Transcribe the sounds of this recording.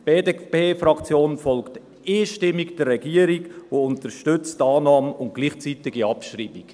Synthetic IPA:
b̥eːdepeːfrɑkt͡sjoːnfɔlkt | ɪːʃtɪmiɡd̥ɛrːɛɡiːəɾiɡoʊntəɾʃtʏt͡stɑːnɑːməʊnt̚ɡ̥liːχt͡sitɪɡiɑpʃriːbik

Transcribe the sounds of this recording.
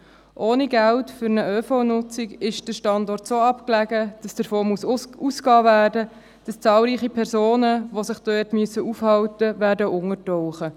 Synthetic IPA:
ʔoːniɡæltfʏɾnəʔøːfɔnʊt͡sikɪʃd̥əʃtɑndɔrtsoːɑpklæɡəd̥ɑsd̥əɾfoːmususkɑːvæːɾdə | d̥ɑst͡sɑːlɾiːχipʰɛɾzoːnəʋosɪχd̥øːtmyəsːəʔufhɑltəʋæːɾdəʔʊŋətɔwχə

